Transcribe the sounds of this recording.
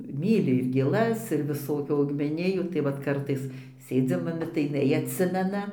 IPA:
ˈmʲiːlʲɪ ɪr ɡʲeːˈlˠɐs ɪr ʋʲɪˈsoːkʲuː ɐʊɡmʲɛˈnʲɪjuː tɐɪ ˈʋɐt ˈkɐrtɐɪs ˈsʲeːd͡zʲɪm ɐˈbʲɪ tɐɪ jɪˈnɐɪ ɐtʲˈsʲɪmʲɛnɐ

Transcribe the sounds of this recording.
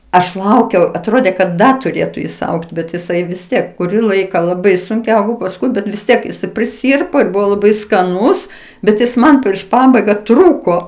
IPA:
ɐʃ ˈlˠɐʊkʲɛʊ ɐtˈroːdʲeː kɐt ˈdɐ tʊˈrʲeːtʊ jɪs ˈɐʊktʲ bʲɛt jɪˈsɐɪ ʋʲɪs ˈtʲiɛk kʊˈrʲiː ˈlˠɐɪkɑː lˠɐˈbɐɪ sʊŋʲˈkʲɛʊ pɐsˈkʊɪ ˈbʲɛt ʋʲɪs ˈtʲiɛk jɪˈsɐɪ pʲrʲɪˈsʲiːrpoː ɪr ˈbʊʋoː lˠɐˈbɐɪ skɐˈnuːs bʲɛt ˈjɪs ˈmɐn pʲrʲiɛʃ ˈpɑːbɐɪɡɐ ˈtruːkoː

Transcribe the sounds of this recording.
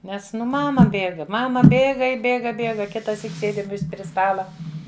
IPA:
ˈnʲɛs ˈnʊ ˈmɑːmɐ ˈbʲeːɡɐ ˈmɑːmɐ ˈbʲeːɡɐ ɪ ˈbʲeːɡɐ ˈbʲeːɡɐ kʲɪtɐˈsʲiːk ˈsʲeːdʲɪm ˈʋʲɪsʲ pʲrʲɪ ˈstɑːlˠɐ

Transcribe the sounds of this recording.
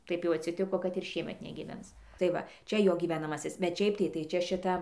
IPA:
ˈtɐɪp jɛʊ ɐtʲsʲɪˈtʲɪkoː kɐt ɪr ˈʃʲiɛmʲɛt nʲɛɡʲiːˈʋʲɛns tɐɪ ˈʋɐ ˈt͡ʃʲɛ ˈjoː ɡʲiːʋʲɛnɐˈmɑːsʲɪs bʲɛt ˈʃʲɛɪp tɐɪ tɐɪ ˈt͡ʃʲɛ ʃʲɪˈtɐ

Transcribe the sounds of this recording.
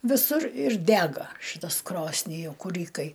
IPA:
ʋʲɪˈsʊr ɪr ˈdʲæːɡɐ ˈʃɨtɐs ˈkroːsʲnʲɪ jɛʊ kʊˈrʲiːkɐɪ

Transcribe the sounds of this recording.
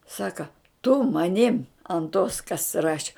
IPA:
ˈsɑːkɐ tʊ mɐˈnʲɪm ɐnt toːs kɐs ˈrɑːʃʲɪ

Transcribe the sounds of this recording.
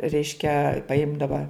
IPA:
ˈrʲɛɪʃʲkʲɛ pɐˈɪmdɐʋɐ

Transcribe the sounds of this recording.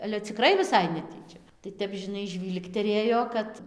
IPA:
ɐlʲɛ t͡sʲɪˈkrɐɪ ʋʲɪˈsɐɪ nʲɛˈtʲiːt͡ʃʲɛ tɐɪ ˈtʲɛp ʒʲɪˈnɐɪ ˈʒʲʋʲiːlˠktʲɛrʲeːjoː ˈkɐt

